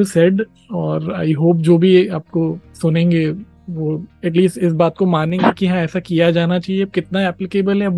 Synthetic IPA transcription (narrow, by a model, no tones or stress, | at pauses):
usɛɖ | ɔːɾa̰ːɪɦoːp̬̚d͡ʒoːbʱiaːp̚kosʊnẽːŋɡe | ʋoːɛʈ̬liːsʈɪs̬baːt̪̚komaːnẽɡekiɦɐ̃ãɛːsakijad͡ʒaːnat͡ʃaːɦieɐb̚kɪt̪naɛːplɪkeːbəlɦɛ